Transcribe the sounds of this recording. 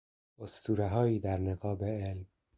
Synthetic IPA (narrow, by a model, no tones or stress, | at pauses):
ʔost̪uːɾeɦɒːjiːd̪æɾneɣɒːbeelm